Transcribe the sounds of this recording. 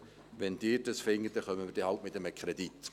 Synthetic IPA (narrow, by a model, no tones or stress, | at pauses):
ʋɛnd̥ɪːdəsfɪŋːət̚d̥ɛχœmːəɪːɾd̥ehɑltmɪtəməkʰʁɛd̪it̪